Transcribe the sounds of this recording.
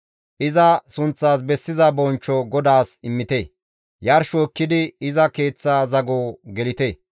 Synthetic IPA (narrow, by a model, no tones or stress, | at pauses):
ʔɪzɐsʊnt͡sːaːs̬bɛsːɪzɐbɔnt͡ʃːɔɡɔd̪aːsɪmːɪt̪eː | jɐɾʃoɪkːɪd̪ɪɪzɐke̞ːt͡sːaːzɐɡoːɡɛlɪt̪eː